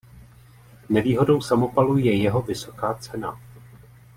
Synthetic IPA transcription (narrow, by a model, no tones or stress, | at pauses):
nɛviːɦo̞do̞wsamo̞palujɛjɛɦo̞vɪso̞̥kaːt͡sɛna̰